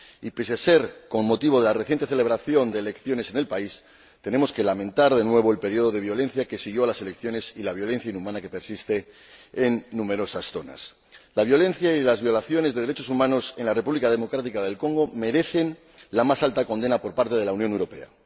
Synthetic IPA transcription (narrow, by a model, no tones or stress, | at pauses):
ipes̬ase̞ɾko̞nmo̞t̪iβ̞o̞ðe̞lareθjent̪e̞θe̞le̞β̞ɾaθjo̞nd̪e̞ːle̞kθjo̞ne̞se̞ne̞lpais | t̪e̞ne̞mo̞ske̞lamẽ̞nt̪aɾðe̞nwe̞β̞o̞elpe̞ɾjio̞ð̞o̞ðe̞βjo̞le̞n̟θjake̞siɣ̞jo̞alase̞le̞kθjo̞ne̞silaβjo̞lẽ̞n̟θjainumãnake̞pe̞ɾsist̪e̞ː | nːume̞ɾo̞sasθo̞̰na̰s | laβ̞jo̞lẽ̞n̟θjailazβjo̞laθjo̞ne̞zðeð̞eɾet͡ʃo̞sumãno̞se̞nlare̞puβlikaðe̞mo̞kɾat̪ikaðe̞lko̞ŋɡo̞me̞ɾe̞θe̞n | lamasalt̪ako̞nd̪e̞napo̞ɾpaɾt̪e̞ð̞e̞lawnjonewɾo̞pe̞̰a̰